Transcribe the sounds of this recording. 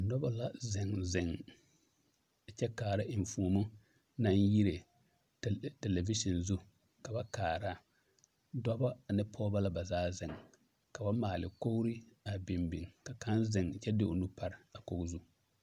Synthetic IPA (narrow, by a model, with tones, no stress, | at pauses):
nɔ˦ba˦la˨zɪ˨ŋzɪ˨ŋ˨ | t͡ʃɛ˦kaː˨ɾa˦ʔɪ˨ɱ˨fu˨mʊ˦ | na˦nji˦ɾe˨ | te˨le˨vi˦ʃɔ˨nzu˦ | ka˨ba˦kaː˨ɾa˦ | dɔ˦ba˦˨nɪ˦pʰɔː˦ba˦la˦ba˨zaː˦zɪ˨ŋ | ka˨ba˦maː˨lɪ˨ko˦ɡɾi˦a˨bɪ˨mbi˨ŋka˨ka˦nzɪ˨ŋ˨t͡ʃɛ˦dɪ˦o˨nu˦pa˦ɾɪ˨a˨ko˦ɡzu˦